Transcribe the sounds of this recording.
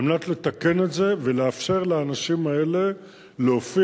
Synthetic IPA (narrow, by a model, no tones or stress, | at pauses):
mnat̪le̞t̪ake̞ne̞tze̞veleafʃe̞ʁlaːnaʃimae̞le̞ | leofi